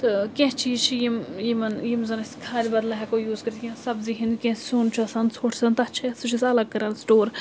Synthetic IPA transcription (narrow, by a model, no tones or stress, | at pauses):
t̪ɨkʲẽɦt͡ʃʰit͡ʃʰijimjimɐnjimzɐnɐsʲi̥kʰaːlʲibɐd̪lɐɦʲɛkojuːzkəɾt̪ʰʲjʲãsɐbziɦĩnd̪kʲẽːssoːnt͡ʃʰɐsɐnsʰoːʈʰsɐnt̪ɐt͡ʃʰɐsɨt͡ʃʰisɐlɐɡ̚kɐɾansʈoːɾ